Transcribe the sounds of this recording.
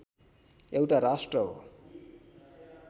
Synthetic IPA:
ewʈaɾasʈrʌɦo̰

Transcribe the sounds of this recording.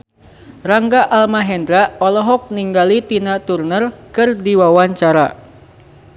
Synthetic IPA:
raŋɡaʔalmaɦɛndɾaɔlɔɦɔk̚niŋɡalit̪inat̪urnərkɨrdiwawaɲt͡ʃaɾa̰

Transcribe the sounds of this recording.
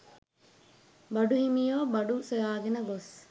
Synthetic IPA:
bɐɖuhimijoːbɐɖusojaːɡenɐɡos

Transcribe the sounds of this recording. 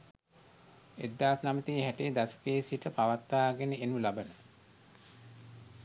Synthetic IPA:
ed̪ːaːsnamət̪iːɦæʈejd̪asə̥keːsiʈəpaʋat̪ːaːɡenəenulabənə

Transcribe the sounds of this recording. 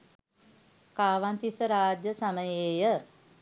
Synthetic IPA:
kaːʋant̪isəɾaːd͡ʒjəsaməjeːjə

